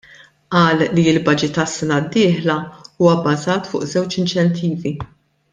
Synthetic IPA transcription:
ʔɐːlːiɪlbɐd͡ʒɪt̪ɐsːɛnɐd̪ːɪːħlɐuːwɐbːɐzɐːt̪fʊ̰ːʔzɛwt͡ʃɪnt͡ʃɛnt̪ʰiːvi

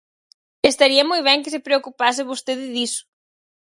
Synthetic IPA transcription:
est̪aɾiɐmojβ̞ɛŋkɪsepɾeokupas̬ɪβost̪eðɪðisʊ̥

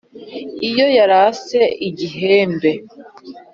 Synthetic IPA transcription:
ijo̞jaɾase̞iɟiɦeːmbe̞

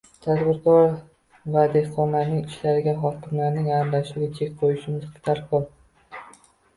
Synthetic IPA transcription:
t̪ʰad̪bɪɾkʰɒɾ | vad̪e̞hqʰɒnlaɾnɪŋɪʃlaɾɪɡʲaɦɒkʲɪmlaɾnɪŋalaʃʊɡʲɪt͡ʃʰekʲqʰojɪʃɪmɪz̥ɪ̥t̪ʰaɾqʰolˠ

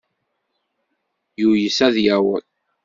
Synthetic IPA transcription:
jujəsæðjæwə̰l

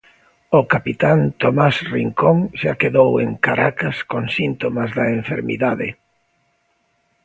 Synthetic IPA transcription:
ʊkapit̪ant̪omasriŋkoŋʃakeðowḛŋkaɾakaskoŋsint̪omazðɐẽɱfeɾmḭðaðɪ

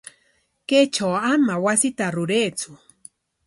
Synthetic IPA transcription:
ket͡ʃawamawasɪt̪aɾʊɾeːt͡sʊ

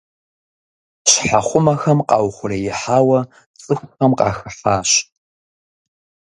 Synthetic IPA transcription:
ɕħaχʷʊmɐxɐmqɑːwχʷʊrɐjɪħaːwɐ | t͡sʼɨxʷxɐmqɑ̰ːxɨħaːɕ

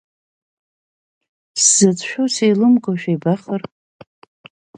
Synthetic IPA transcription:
sz̥ɨt͡sʰʼʃᶣosejlɨmɡʼoʃᶣajbaχər

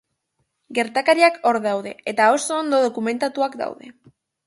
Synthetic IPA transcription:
ɡe̞ɾt̪akaɾiako̞ɾðawðe̞̰et̪ao̞soːnd̪o̞ðo̞kume̞nt̪at̪uakd̪a̰wðe̞

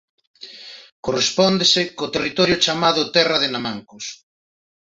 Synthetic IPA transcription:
korespɔnd̪esekot̪erit̪ɔɾjot͡ʃamaðʊt̪ɛraðenamaŋkos

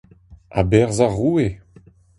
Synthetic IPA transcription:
a̰bɛʁzaʁuːe

